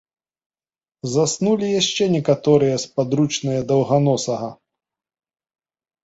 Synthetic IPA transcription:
zasnulʲijaɕt͡ʃɛnʲɛkat̪ɔɾɨjɐspad̪ɾut͡ʂnɨjɐd̪ɐwɣanɔsɐɣɐ

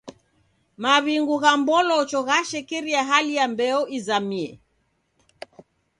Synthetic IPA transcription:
maβiŋɡuɣambɔlɔt͡ʃɔɣaʃɛkiɾiaɦalijambɛɔizamiɛ̰

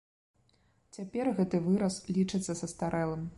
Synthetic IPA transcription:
t͡sʲapʲɛrɣɛt̪ɨvɨɾɐslʲit͡ʂɨt̪sːɐsɐst̪aɾɛlˠɐm

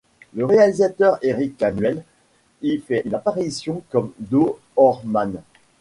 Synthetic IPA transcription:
ləʁealizat̪œʁeʁikːamɥɛl | ifɛynapaʁisjɔ̃kɔmd̪o | ɔʁman

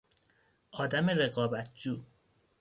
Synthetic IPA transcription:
ʔɒːd̪æme̞ɾe̞ɣɒːbæt̪̚ʰd͡ʒuː

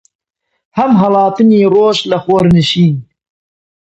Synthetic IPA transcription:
hɐmɦɐlˠɑːt̪ɨniːroːʃlɐxoːɾnɨʃiːn

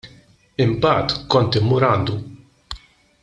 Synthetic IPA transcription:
ɪmbɐːt̪kɔnt̪ɪmːʊɾɐːnd̪u

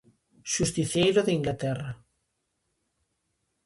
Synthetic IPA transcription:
ʃust̪iθjejɾoðiŋɡlat̪ɛrɐ

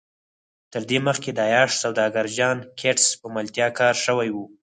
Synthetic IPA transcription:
t̪əɾd̪eməxked̪əɑjɑʃsawd̪ɑɡaɾd͡ʒɑnkʰeʈspəməlt̪jɑkɑɾʃəwajwu

